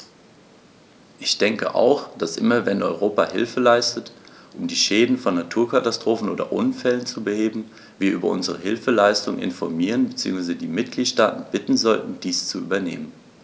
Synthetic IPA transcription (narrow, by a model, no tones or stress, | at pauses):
ʔɪçd̥ɛŋkə̰ʔa̰ʊxd̥asʔɪ̰mɐvɛnʔɔʏʁ̞oːpahɪ̰lfəlaɪstət | ʔʊmdiːʃɛːdn̩fɔnːatʰuːɐkatastʁ̥oːfn̩ʔoːdɐ̰ʔʊnfɛlənt͡subəheːbm̩ | viːɐʔyːbɐʔʊ̰nzəʁəɦɪlfəlaɪstʊŋnʔɪ̰nfɔmiːʁənbət͡siːʊŋsv̥aɪzədiːmɪt̚ɡ̥liːtʃtaːtn̩bɪtn̩zɔltn̩d̥iːst͡suʔy̰ːbɐnḛːmən